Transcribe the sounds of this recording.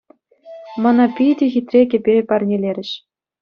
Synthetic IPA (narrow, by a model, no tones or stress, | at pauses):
mɑnɑpʲijdʲĕxʲit̪ʲrʲekʲĕpʲepɑrʲnʲelʲeɾʲɘ̆ɕ